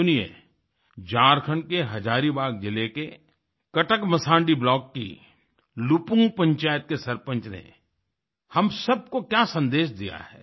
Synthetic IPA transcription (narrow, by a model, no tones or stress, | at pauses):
ʊniḛ | d͡ʒaːɾkʰəɳkeɦɐd͡ʒaːɾibaːɡ̚d͡ʒɪleke | kɐʈəkmɐsãːɳɖiblɔːkːḭ | lupʊ̃ŋɡpɐ̃ɲt͡ʃaːjət̪̚kesɐɾpə̃ɲt͡ʃnḛ | hɐmsɐb̚kokjasɐ̃nd̪eːʃd̪ija̰ɦɛ̰ː